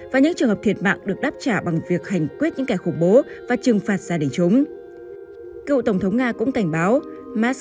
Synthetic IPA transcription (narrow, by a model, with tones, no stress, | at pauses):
vaː˨˩ɲɨ̰˧˥ŋt͡ɕɨ˨˩əŋɦə˨˩p̚t̪ʰi˨˩ət̚ma̰ː˧˨ŋɗɨ˨˩ək̚ɗaː˦˥p̚t͡ɕaː˧˩ɓa˨˩ŋvi˨˩ək̚ha˨˩jŋ̟kwi˦˥ət̚ɲɨ̰˧˥ŋka˧˩xʊ˧˩ŋ͡mɓo˨˦ | vaː˨˩t͡ɕɨ˨˩ŋfaː˨˩t̚zaː˧ɗï˨˩ŋ̟t͡ɕo˨˦ŋ͡m | kḭ˧˨t̪ə˧˩wŋ͡mt̪ʰə˨˦wŋ͡mŋaː˧kʊ̰˧˥ŋ͡mka˧˩jŋ̟ɓaː˨˦w | maː˦˥